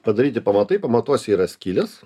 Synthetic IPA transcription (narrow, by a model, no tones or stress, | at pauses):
pɐd̪ɐɾʲiːt̪ʲɪpɐmɐt̪ɐɪpɐmɐt̪uɔsʲiːɾɐsʲkʲiːlʲɛs